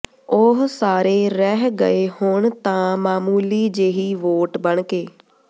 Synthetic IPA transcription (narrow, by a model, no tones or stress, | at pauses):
ʊɦsaːɾeːɾɛɦɡə̰eːhʊɳt̪ãːmaːmuːliːd͡ʒeːɦiːʋoːʈbəɳkeː